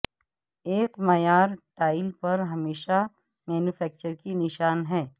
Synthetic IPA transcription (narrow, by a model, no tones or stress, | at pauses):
eːkmɐjaːɾʈaːɪlpɐɾɦɐmeːʃa | mɛːnufɛːk̚t͡ʃəɾkinɪʃaːnɦɛː